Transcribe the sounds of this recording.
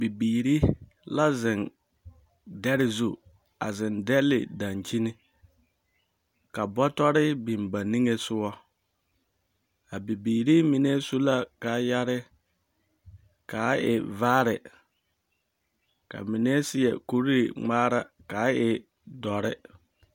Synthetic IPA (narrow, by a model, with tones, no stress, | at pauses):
bi˨biː˨ɾi˦ | la˦zɪ˨n | dɛ˦ɾɪ˦zu˦˨ | a˨zɪ˨ndɛ˦lɪ̰˨da˨nt͡ʃi˦nɪ˦ | ka˨bɔ˦tɔ˦ɾɪ˦bɪ˨mba˨ni˦ŋe˦sʊ˦wɔ˦ | a˨bi˨biː˨ɾi˦mɪ˨ne˦su˦la˦ka˨ja˦ɾɪ˦ | ka˨˦ɪ̰˨vaː˦ɾɪ˨ | ka̰˨mi˨ne˦sɪ˦jɛ̰˨ku˦ɾɾɪ̰˨ŋ͡maː˦ɾa˦ka˨˦ɪ˨ | dɔ˨ɾɪ˦